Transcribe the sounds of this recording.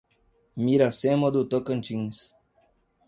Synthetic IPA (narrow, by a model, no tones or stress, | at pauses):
miɾasemod̪ut̪okə̃nt͡ʃĩŋs